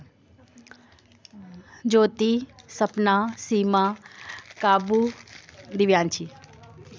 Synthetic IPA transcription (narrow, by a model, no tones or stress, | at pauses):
d͡ʒoːt̪isɐpnasiːma | kaːbu | d̪iʋjaːnt͡ʃʰi